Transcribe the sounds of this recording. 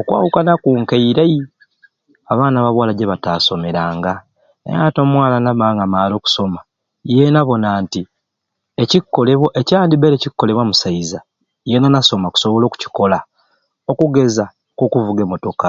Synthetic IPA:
okwa̰ːwukanakuŋkeiɾai | aβaːnaβaβwaːlaɟeβataːso̞me̞ɾaːŋɡa | ḛɾa̰to̞mwaːlanamaːŋɡamaːlo̞ːku̥so̞ma | je̞naβo̞naːnti | e̞cikːo̞le̞βwoʔecaːndibeɾecikːo̞le̞βwamusaiza | je̞nanaso̞maku̥so̞βolo̞ːku̥ci̥ko̞la | o̞kuɡe̞za | kokuvuɡemo̞to̞ka

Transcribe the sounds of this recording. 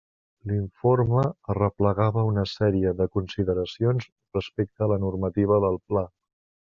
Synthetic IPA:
liɱforməərəpləɣaβəunəsɛɾiəðəkunsiðəɾəsionz | rəspek̚t̪əːlənurmət̪iβ̞əðəlˠpla

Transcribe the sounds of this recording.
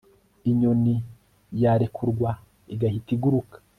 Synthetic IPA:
iɲoni | jaːɾekʰuɾɡwa | iɡahitiɡuɾukḁ

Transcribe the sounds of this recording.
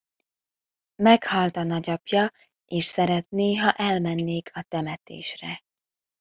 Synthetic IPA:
mɛkhɒlt̪ɒnɒɟɒpjɒ | eːʃsɛɾɛt̪neːɦɒʔɛlmɛnːeːkʰɒt̪ɛmɛt̪ḛːʃrɛ

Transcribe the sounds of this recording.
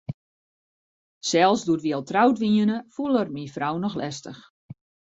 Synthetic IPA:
sɛlˠsduətʋiɛlˠtrawtʋiənəfulˠərmifrawnɔxlɛstəx

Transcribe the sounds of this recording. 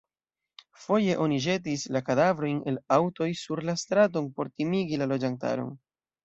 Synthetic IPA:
fo̞je̞ʔo̞niʒe̞tislakadavɾo̞jne̞lawto̞jsuɾlastɾat̬o̞npo̞ɾtimiɡilalo̞d͡ʒanta̰ɾo̞̰n

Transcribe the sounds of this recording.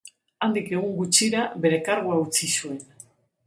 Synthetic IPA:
and̪ike̞ɣ̞uŋɡut͡ʃiɾaβe̞ɾe̞kaɾɣuaut͡sisue̞n

